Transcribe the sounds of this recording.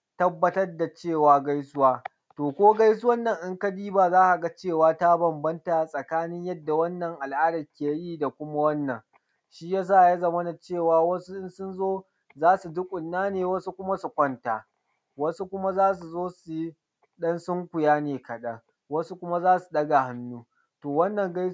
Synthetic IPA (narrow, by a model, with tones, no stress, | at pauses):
tɐ˦bːɐ˦tɐ˦rda˨t͡ʃeː˦˨waː˨ɡa˦jsʊ˦waː˦ | toː˨kʷoː˦ɡa˦js̬ʊ˦wɐ˦nːɐ˨ŋʔɪ˦ŋka˦diː˦baː˨zaː˦ʔa˨ɡa˦t͡ʃeː˦˨waː˦ta˦bɐ˨mbɐ˦nta˨sʼɐ˨kaː˦nɪ˦ɲjɐ˦dːa˨wɐ˦nːɐ˨ŋʔa˨lʔaː˦dɐ˨rkʲeː˨jiː˦da˨kʷʊ˦ma˦wɐ˦nːɐ˨ŋ | ʃi˦jaː˦s̬aː˦˨ʔja˦za˨mɐ˦na˨t͡ʃeː˦˨waː˨wɐ˦su˦ʔɪ˦nsʊ˦nzoː˦ | zaː˦su˨dʊ˦kʷʼʊ˨nːaː˦neː˨wɐ˦su˦kʷʊ˦ma˦su˨kʷɐ˦ntaː˨ | wɐ˦su˦kʷʊ˦ma˦zaː˦s̬u˨zoː˦su˦ | ɗɐ˦nsʊ˦ŋkʷʊ˨jaː˦neː˨kɐ˨ɗɐ˦ŋ | wɐ˦su˦kʷʊ˦ma˦zaː˦su̥˨ɗɐ˦ɡa˨ha˦nːuː˦ | toː˨wɐ˦nːɐ˨ŋɡa˦